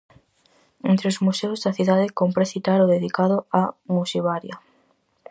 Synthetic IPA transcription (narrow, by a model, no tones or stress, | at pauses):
ent̪ɾeozmusewzðɐθiðaðɪkompɾesit̪aɾoðeðikaðʊamusiβaɾjɐ